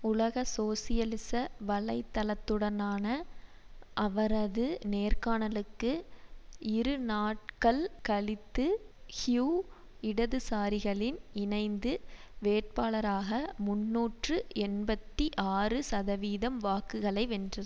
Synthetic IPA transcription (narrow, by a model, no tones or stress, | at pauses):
ʊlɐɣɐsoːsɪjɐlɪsɐʋɐɭɐɪt̪ːɐlɐt̪ːɯɽɐnaːnɐ | ʔɐʋɐɾɐðɯneːrkaːnɐlɯkːɯ | ɪɾɯnaːʈ̚kɐɭkɐɭɪt̪ːɯhjuː | ɪɽɐðɯsaːɾɪɣɐɭɪnɪnɐɪnd̪ɯʋeːʈ̚paːɭɐɾaːɣɐmʊnːuːʈrɯɛnbɐt̪ːiʔaːrɯsɐðɐʋiːðɐmʋaːkɯɣɐɭɐɪʋɛndrɐ